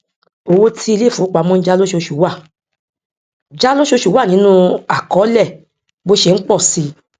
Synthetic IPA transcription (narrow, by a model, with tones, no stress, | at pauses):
o˧wo˧tʰi˦i˧le˦˨fu˨˦k͡pa˨˦mɔ̃˦n̩˦d͡ʒa˦lo˦ʃo˧ʃu˨˦wa˦˨ | d͡ʒa˦lo˦ʃo˧ʃu˨˦wa˦˨nĩ˨˦nũ˦a˨kɔ˨˦lɛ˦˨ | bo˧ʃɛ˨n̩˦k͡pɔ˦˨si˨˧